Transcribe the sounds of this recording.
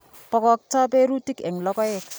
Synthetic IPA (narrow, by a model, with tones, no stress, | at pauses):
pɔ˨kɔ˨k̚tɔ˦pe˦ɾu˦ti˦kɛ˨ŋlɔ˦kɔ˦jɪ˦k